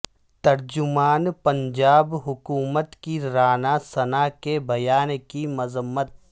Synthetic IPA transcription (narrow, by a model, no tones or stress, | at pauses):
t̪ɐɾd͡ʒʊmaːnpɐ̃ɲd͡ʒaːbɦʊkuːmət̪kiɾaːnasɐnakebʱɐjaːnkimɐzəmːət̪̚